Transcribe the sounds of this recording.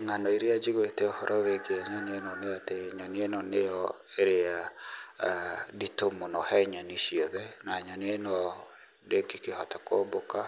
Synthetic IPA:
ŋanɔiɾead͡ʒiɣwetɛohɔɾʔɔweɡeaɲɔneenɔneateɲɔnienɔnejɔ | eɾea | ditomonɔhɛɲaniʃiɔðɛnaɲɔnenɔ | dekikehɔtakoboka

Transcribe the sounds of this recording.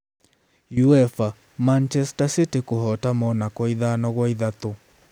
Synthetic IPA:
juɛfa | mant͡ʃɛstasitikohɔtamɔnakɔiðanɔɣwɔiðat̪o

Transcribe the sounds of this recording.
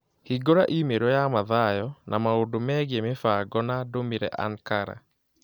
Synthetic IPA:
hiɡoɾaʔimeɾɔjamaðajɔnʔamaodomɛɣemefaɡɔnadomiɾɛ̰ʔa̰ŋkaɾa̰

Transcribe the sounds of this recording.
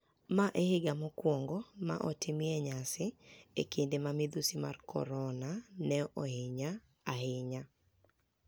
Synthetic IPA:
maʔehɪɡamokwɔŋɡɔma̰ʔɔtɪmɪɛɲasɪḛkindemamid̪usima̰rkʰɔ̰ɾɔnanɛʔɔhɪɲa | ahɪɲa

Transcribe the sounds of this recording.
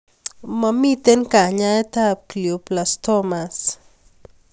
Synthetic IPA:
mamit̪enkaɲaet̪akljuplast̪omas

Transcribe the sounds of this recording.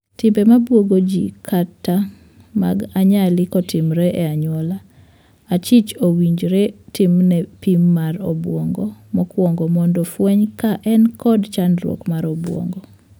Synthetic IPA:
tɪmbemabwoɡod͡ʒḭkʰatːa | ma̰ɡaɲalɪkɔtʰɪmɾɛʔɛaɲwɔla | at͡ʃit͡ʃowiɲd͡ʒɾɛtɪmnɛpimːaɾɔbwɔŋɡɔmɔkwɔŋɡɔmɔndɔfwɛɲkaʔɛnkɔdt͡ʃandɾwɔ̰kmaɾɔbwɔ̰ŋɡɔ

